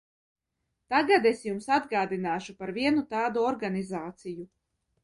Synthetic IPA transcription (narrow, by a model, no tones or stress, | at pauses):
t̪aɡad̪esjumsad̪ɡaːd̪inaːʃupaɾviɛnut̪aːd̪uɔɾɡanizaːt̪siju